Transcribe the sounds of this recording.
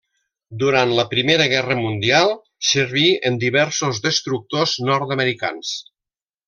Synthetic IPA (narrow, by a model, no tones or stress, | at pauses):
d̪uɾant̪ləpɾimeɾəɣ̞ɛrəmund̪ialˠ | səɾβiənd̪iβɛɾsozðəst̪ɾuk̚t̪oznɔɾt̪əməɾika̰ns